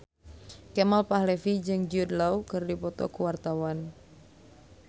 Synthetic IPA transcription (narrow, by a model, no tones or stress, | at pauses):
kɛmalpahlɛfid͡ʒɨŋd͡ʒiud̪laukɨrdipɔt̪ɔ̰kuwart̪awan